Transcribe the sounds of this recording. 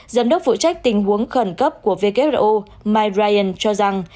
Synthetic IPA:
zə˨˦mɗə˦˥k͡p̚fṵ˧˨t͡ɕa˦˥jk̟̚t̪ï˨˩ŋ̟ɦu˨˦əŋxə˧˩nkə˦˥p̚ku˧˩əve˧ke˦˥p̚ʔo˧ | maː˧jzaː˧jʔə˧˩nt͡ɕɔ˧za˨˩ŋ

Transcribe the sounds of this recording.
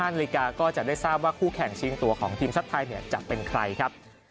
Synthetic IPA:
aː˥˩na˧li˦˥˩kaː˧kɔː˥˩t͡ɕa˨˩daː˥˩jsaː˥˩p̚waː˥˩kʰuː˥˩kʰɛ˨˩ŋt͡ɕʰiː˧ŋt̪u˧ɐkʰɔː˩˦ŋt̪ʰiː˧msʰa˦˥t̪ʰːaː˧jni˥˩ɐt͡ɕa˨˩pe˧nkʰɾa˧jkʰa˦˥p̚

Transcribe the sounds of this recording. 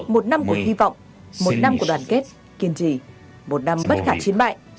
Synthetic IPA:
mo˨˩t̚na˧mku˧˩əhi˧vɔ̰˧˨wŋ͡m | mo˨˩t̚na˧mku˧˩əɗwaː˨˩nke˦˥t̚ | ki˧˩ənt͡ɕi˧˩ | mo˨˩t̚na˧mɓə˦˥t̚xaː˧˩t͡ɕi˨˦ənɓa̰ː˧˨j

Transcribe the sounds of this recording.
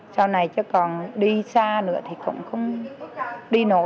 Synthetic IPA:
saː˧wna˨˩jt͡ɕɔ˨˦kɔ˨˩nɗi˧saː˧nɨ̰˧˥ət̪ʰi˨˩kʊ̰˧˥wŋ͡mxə˧wŋ͡m | ɗi˧no˧˩

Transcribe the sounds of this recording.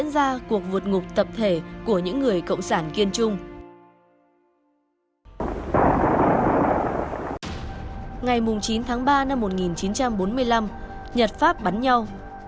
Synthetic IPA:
ənzaː˧ku˨˩ək̚vɨ˨˩t̚ŋʊ˨˩k͡p̚t̪ə˨˩p̚t̪ʰe˧˩ku˧˩əɲɨ̰˧˥ŋːɨ˨˩əjkə̰˧˨wŋ͡msaː˧˩nki˧ənt͡ɕʊ˧ŋ͡m | ŋa˨˩jmʊ˨˩ŋ͡mt͡ɕi˨˦nt̪ʰaː˨˦ŋɓaː˧na˧mːo˨˩t̚ŋi˨˩nt͡ɕi˨˦nt͡ɕa˧mɓo˨˦nmɨ˧əjla˧m | ɲə˨˩t̚faː˦˥p̚ɓa˨˦nɲa˧w

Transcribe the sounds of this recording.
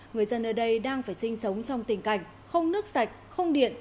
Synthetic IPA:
ŋɨ˨˩əjzə˧nʔəː˧˩ɗə˧jɗaː˧ŋfaː˧˩jsi˧ŋ̟sə˨˦wŋ͡mt͡ɕɔ˧wŋ͡mt̪ï˨˩ŋ̟ka˧˩jŋ̟̚ | xə˧wŋ͡mnɨ˦˥ək̚sa˨˩jk̟̚xə˧wŋ͡mɗḭ˧˨ən

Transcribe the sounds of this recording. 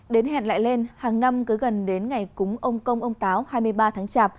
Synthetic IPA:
ɗe˨˦nɦɛ̰˧˨nla̰ː˧˨jle˧nhaː˨˩ŋna˧mkɨ˨˦ɣə˨˩nɗe˨˦nŋa˨˩jkʊ˨˦ŋ͡mʔə˧wŋ͡mkə˧wŋ͡mʔə˧wŋ͡mt̪aː˨˦whaː˧jmɨ˧əjɓaː˧t̪ʰaː˨˦ŋt͡ɕaː˧˩p̚

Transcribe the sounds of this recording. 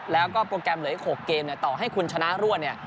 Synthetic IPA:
lɛː˦˥wkɔː˥˩pɾoː˧kɛ˧mlɯ˩˦jkʰoː˨˩kːeː˧mni˥˩ɐt̪ɔː˨˩ɦa˥˩jkʰu˧nt͡ɕʰa˧na˦˥ɾu˥˩ət̪ni˥˩

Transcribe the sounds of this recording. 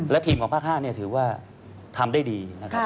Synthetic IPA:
lɛ˦˥wt̪ʰiː˧mkʰɔː˩˦pʰaː˥˩k̚haː˥˩ni˥˩ɐt̪ʰɯː˩˦waː˥˩ | t̪ʰa˧mdaː˥˩jdiː˧na˦˥kʰa˦˥

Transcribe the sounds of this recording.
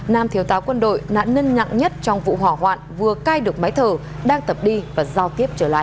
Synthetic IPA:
naː˧mt̪ʰi˨˦əwt̪aː˨˦wkwə˧nɗo̰˧˨jna̰ː˧˨˥nnə˧nɲa̰˧˨ŋɲə˦˥t̚t͡ɕɔ˧wŋ͡mvṵ˧˨ɦwaː˧˩ɦwa̰ː˧˨nvɨ˨˩əkaː˧jɗɨ˨˩ək̚maː˨˦jt̪ʰəː˨˩ | ɗaː˧ŋt̪ə˨˩p̚ɗi˧vaː˨˩zaː˧˩wt̪i˦˥əp̚t͡ɕəː˧˩la̰ː˧˨ʔ

